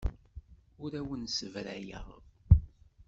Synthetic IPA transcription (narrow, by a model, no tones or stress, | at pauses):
ʊɾæwənsəvɾæjə̰ʁ